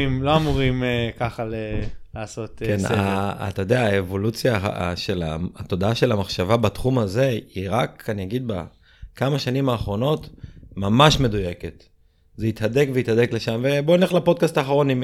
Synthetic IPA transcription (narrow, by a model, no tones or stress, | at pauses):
imloamuʁimekaχalelaːso̞t̪kenna̰ːt̪ajod̪eaːevo̞lut͡sjaa̰ʃe̞la̰t̪o̞d̪aaʃe̞lamaχʃavabat̪χumaze̞iʁakaniaɡid̪̚ba̰ | kamaʃanimaːχʁo̞no̞t̪mamaʃme̞d̪uje̞ke̞t̪ | zeit̪had̪e̞kveit̪had̪ekle̞ʃamveboinleχlapo̞d̪̚kast̪aːχaʁo̞nim